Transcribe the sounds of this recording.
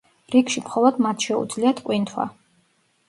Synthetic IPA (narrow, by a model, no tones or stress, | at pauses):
ɾikʰʃimχɔlˠɔd̪mat̪ʰʃɛṵd̪zliat̪ʰkʼwint̪ʰwa̰